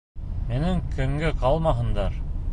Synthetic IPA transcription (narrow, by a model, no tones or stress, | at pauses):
mɘ̆nɘŋkʰɵ̆ŋɡɘqɑlˠmɑɦɤ̆nd̪ɑɾ